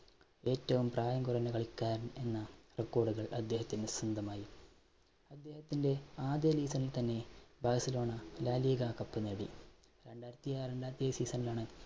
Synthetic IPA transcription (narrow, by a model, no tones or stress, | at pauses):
e̞ːtːɐʋumpraːjɐŋɡurɐnɐɣɐɭikːaːɾne̞nːɐrekːo̞ːɽuɣɐɭɐd̪ːe̞ːhɐt̪ːindesrɐnd̪ʱɐmaːji | ɐd̪ːe̞ːhɐt̪ːinde̞aːd̪eliːsɐnilt̪ɐnːe̞baːsɐlo̞ːɳɐlaːliɡakɐpːɐneɽḭ | ɾe̞ɳɖaːjɾɐt̪ːijare̞ɳɖaːɾt̪ːijeːsiːsɐnilaːɳɨ